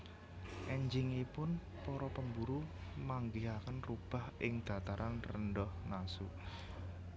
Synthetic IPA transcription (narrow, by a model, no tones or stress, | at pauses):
ʔɛɲd͡ʒɪŋipʊn | pɔɾɔpəmbuɾumaŋɡiɦakənrub̥a̤hʔɪŋd̪̥ä̤t̪aɾanrənɖɔhnasu